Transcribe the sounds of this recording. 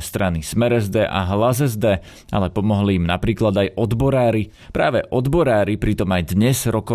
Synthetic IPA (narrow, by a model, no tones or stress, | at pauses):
st̪ɾanismɛɾɛzd̪ɛːʔa̰ɦlazɛzd̪ɛː | a̰lɛpɔmɔɦliːmnapɾiːklad̪ajɔd̪bɔɾaːɾi | pɾaːʋɛʔɔd̪bɔɾaːɾipɾit̪ɔmajd̪ɲɛz̥ɾɔkɔ